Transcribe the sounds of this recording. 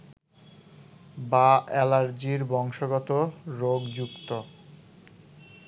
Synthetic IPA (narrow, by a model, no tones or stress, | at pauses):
baʔɛlaɾd͡ʑiɾbɔŋʃoɡɔt̪oɾoɡd͡ʑukt̪o